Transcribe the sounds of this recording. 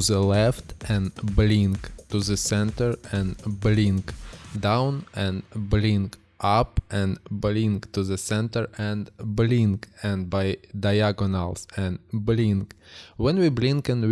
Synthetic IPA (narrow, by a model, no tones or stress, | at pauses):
zəlɛftɛ̃nblĩŋktuðəsɛ̃ntə˞ɛ̃nblɪ̃ŋkdãʊ̃nɛ̃nblɪ̃ŋk | ʔapɛ̃nblĩŋktuðəsɛ̃ntə˞ʔɛ̃nblĩŋkɛ̃nbaɪdajaɡɔnalˠsɛ̃nblĩŋkwɛ̃nwiblĩŋkɨ̃nw